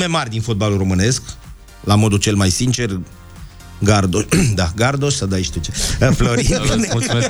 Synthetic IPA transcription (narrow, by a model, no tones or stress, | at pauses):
memarʲd̪info̞t̪̚baluro̞mɨne̞sk | lamo̞d̪ut͡ʃe̞lmajsint͡ʃe̞r | ɡard̪od̪aɡard̪oʃsəd̪ajʃt̪it͡ʃeəflo̞ɾineu